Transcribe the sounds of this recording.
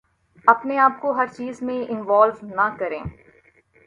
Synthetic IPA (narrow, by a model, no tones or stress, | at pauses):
ɐpneaːp̚koɦɐɾt͡ʃiːzmẽʔɪnʋaːlʋnɐkɐɾḛ̃ː